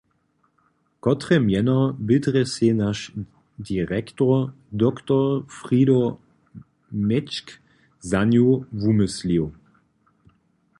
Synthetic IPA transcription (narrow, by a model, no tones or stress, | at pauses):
kɔtʁɛmjɛnɔbɪdʁɛsenaʃ | diʁɛktɔ | d̪ɔkt̪ɔfʁiɾo | mɛt͡ʃk | zanjuvumɪsliw